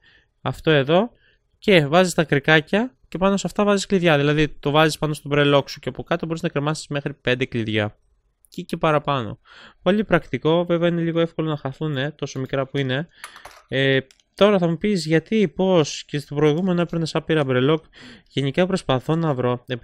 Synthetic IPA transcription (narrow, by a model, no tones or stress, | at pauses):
ɐft̪o̞e̞ðo̞ | ce̞vɐzist̪ɐkɾikɐcɐce̞pɐno̞sɐft̪ɐvɐziskliðʝɐðilɐðit̪o̞vɐzispɐno̞st̪obɾe̞lo̞ksuceɐpo̞kɐt̪obo̞ɾiznɐkɾemɐsi̥zme̞xɾipe̞nd̪e̞kliðʝɐ | cicepɐɾɐpɐno̞̰polipɾɐkt̪iko̞ve̞veɐineʎiɣoe̞fko̞lo̞nɐxɐθune̞t̪o̞so̞mikɾɐpuine̞ | e | t̪o̞ɾɐθɐmupizʝɐt̪ipo̞scest̪opɾo̞iɣume̞noepɾnosɐpiɾɐbɾe̞lo̞kʝe̞nikɐpɾo̞spɐθo̞nɐvɾo̞e